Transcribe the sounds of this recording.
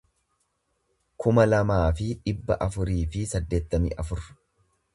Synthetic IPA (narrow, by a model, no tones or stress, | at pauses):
kʊmɐlɐmaːfɪᶑɪbːɐ̰ʔɐfʊɾiːfɪsɐd̪ːe̞ːt̪ːɐmḭːʔɐfʊɾ